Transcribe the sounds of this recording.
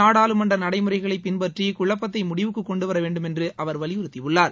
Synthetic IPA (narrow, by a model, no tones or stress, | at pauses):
aːɽaːlɯmɐɳrɐnɐɽɐɪmɯɾɐɪɣɐɭɐɪpːɪnpɐʈrikʊɭɐpːɐt̪̬ːɐɪmʊɽɪʋɯkːɯkːɔɳɖɯʋɐɾɐʋeːɳɖɯmɛndrɯʔɐʋɐɾʋɐɭɪjʊɾɯt̪ːɪʋɯɭːaːɾ